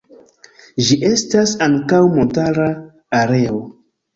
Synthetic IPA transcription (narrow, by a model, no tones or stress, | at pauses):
ʒiʔe̞stasaŋkawmo̞ntaɾaː | ɾe̞o̞